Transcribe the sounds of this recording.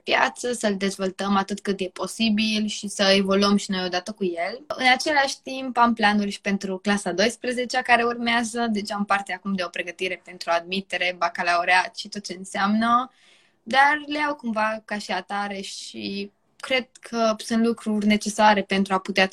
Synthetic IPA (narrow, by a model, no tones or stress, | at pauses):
pja̰t̪səsəld̪e̞zvo̞lt̪əmat̪ɨt̪kɨt̪je̞po̞sibilʃisəe̞vo̞luəmʃinojo̞d̪at̪əkuje̞lɨnat͡ʃe̞laʃʲt̪impamplanulʲʃi̥pe̞nt̪ɾuklasad̪o̞jspɾəze̞t͡ʃakaɾe̞urmeazəd̪e̞t͡ʃampart̪eakumd̪e̞o̞pɾe̞ɡət̪iɾe̞pe̞nt̪ɾuad̪mit̪e̞ɾe̞bakalaoɾeat̪ʃit̪o̞t̪̚t͡ʃe̞ɨnseamnə | d̪arleawkumvakaʃiat̪aɾe̞ʃi | kɾe̞d̪̥̚kʰəsunt̪lukɾurʲne̞t͡ʃe̞saɾe̞pe̞nt̪ɾuaput̪ea